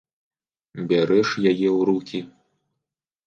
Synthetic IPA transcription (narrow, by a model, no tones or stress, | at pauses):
bʲaɾɛʂjajɛwɾukʲi